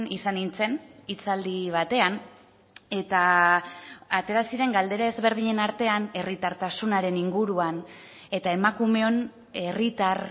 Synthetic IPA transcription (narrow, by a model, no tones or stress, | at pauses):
nisanint͡se̞nit͡sald̪iβ̞at̪e̞an | e̞t̪aː | t̪e̞ɾasiɾe̞ŋɡald̪e̞ɾae̞zβe̞ɾð̞iɲe̞naɾt̪e̞ane̞rit̪aɾt̪asunaɾe̞niŋɡuɾuan | e̞t̪ae̞makume̞o̞n | e̞rit̪ar